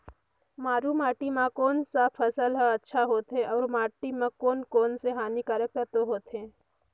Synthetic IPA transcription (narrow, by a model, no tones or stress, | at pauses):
maːɾumaːʈimãkoːnsapʰɐsəlɦəɐtːʃʰaɦoːt̪ɦẽʔɔːɾmaːʈimãkoːnkoːnseɦaːnikaːɾjək̚t̪əɾt̪oɦoːt̪ɦẽː